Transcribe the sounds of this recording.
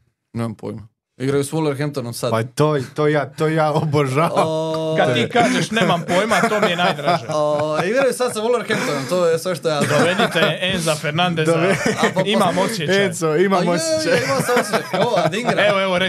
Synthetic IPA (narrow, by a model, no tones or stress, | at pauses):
neːmampʰo̰jma | iɡɾajusmuleɾxempt̪onomsad̪pat̪ot̪oːjaːt̪oːjaːoboʒaːʋakad̪t̪iːkaːʒeʃnemampojmat̪omienajjd̪ɾaʒeoiɡɾajusad̪saʋulˠeɾxempt̪onomt̪oːjesʋeʃt̪ojaːd̪oʋedit̪eenzafeɾnand̪ezd̪oʋeimamoeesoimamoset͡ɕeimasasoad̪iɡɾaeʋoeʋoɾe